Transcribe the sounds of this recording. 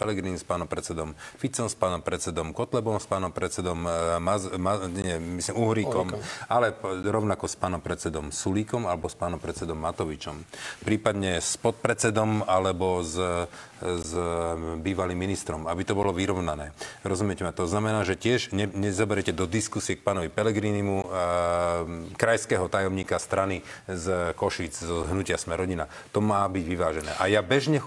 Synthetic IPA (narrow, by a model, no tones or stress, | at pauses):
pɛlɛɡɾinspaːnɔmpɾɛt͡sɛd̪ɔmfit͡sɔmspaːnɔmpɾɛt̪t͡sɛd̪ɔmkɔt̪lɛbɔmspaːnɔmpɾɛt̪t͡sɛd̪ɔmːamaɲɛmislimuɦɾikɔmalɛɾɔʊnakɔspaːnɔmpɾɛt̪t͡sɛd̪ɔmsuliːkɔmalɛbɔspaːnɔmpɾɛt͡sɛd̪ɔmːat̪ɔʋit͡ʃɔmpɾiːpad̪ɲɛspɔt̪̚pɾɛt͡sɛd̪ɔmalɛbɔz | zbiːʋaliːmːinist̪ɾɔmabit̪ɔbɔlɔʋiɾɔʊnanɛːɾɔzumɪɛcɛmɛt̪ɔznamɛnaːʒɛcɪɛʒɛɲɛzɔbɛɾɛcɛd̪ɔd̪iskusiɛk̚paːnɔʋipɛlɛɡɾiːnimu | kɾajskɛːɦɔt̪ajɔmɲiːkast̪ɾanizkɔʃid͡zzɔɦnucɪasmɛɾɔɟina | t̪ɔmaːbiɟʋiʋaːʒɛnɛ̰ːʔajabɛʒɲɛ